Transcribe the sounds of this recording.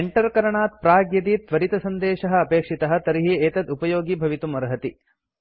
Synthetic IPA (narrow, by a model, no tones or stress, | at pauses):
eɳʈɐɾkɐɾɐɳaːt̪̚pɾaːɡjɐd̪it̪ʋɐɾit̪ɐsɐnd̪ɛːʃɐɦɐ̆ɐpeːkʂit̪ɐɦɐ̆t̪ɐɾiɦieːt̪ɐd̪upɐjoːɡibʱɐʋit̪umɐɾɐɦɐt̪i